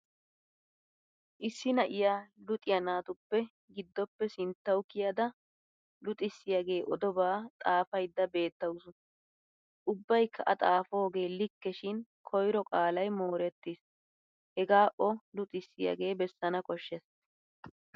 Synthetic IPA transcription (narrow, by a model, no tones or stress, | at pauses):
ʔɪsːɪnɐʔɪjaːlʊt̪ʼɪjɐnaːt̪ʊpːɛ | ɡɪd̪ːɔpːɛsɪnt̪ːɐwʊkːɪjɐd̪ɐ | lʊt̪ʼɪsːɪjɐɡe̞ːʔɔd̪ɔbaːt̪ʼaːfɐjd̪ːɐbe̞ːt̪ːɐwʊsʊ | ʔʊbːɐjkʰːɐʔɐt̪ʼaːfo̞ːɡe̞ːlɪkːɛʃɪnkʰɔjɾɔkʼaːlɐjmo̞ːɾɛt̪ːis | hɛɡaːʔɔlʊt̪ʼɪsːɪjɐ̰ɡe̞ːbɛsːɐnɐkʼɔʃːɛs